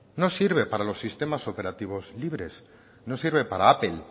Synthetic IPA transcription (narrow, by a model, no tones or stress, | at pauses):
no̞siɾβe̞paɾalo̞sːist̪e̞maso̞pe̞ɾat̪iβ̞o̞zliβɾe̞s | no̞siɾβe̞paɾaapel